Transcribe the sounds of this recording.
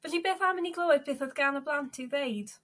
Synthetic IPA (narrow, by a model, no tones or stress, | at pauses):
vɛɬibeːθamɪniɡlˠowɨðbeːθɔðɡanəblˠantʰɪwðejd̥